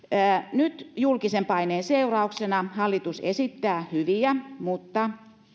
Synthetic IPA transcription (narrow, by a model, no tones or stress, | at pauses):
ənyt̪julkisempɑineːnseurɑuksenɑhɑlːit̪usḛsit̪ːæːhyʋiæmut̪ːɑ